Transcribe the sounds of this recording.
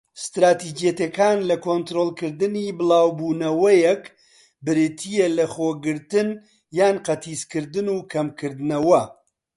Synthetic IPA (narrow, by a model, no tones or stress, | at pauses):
st̪ɾaːt̪id͡ʒijɛt̪ekaːnlɐkont̪ɾoːlˠkɨɾd̪ɨnibɨlˠaːwbuːnɐwɐjɛk | bɨɾɨt̪ʰijelɐχoːɡɨɾt̪ɨn | jaːnqɐt̪ʰiːskɨɾd̪ɨnukʰɐmkʰɨɾd̪ɨnɐwɐ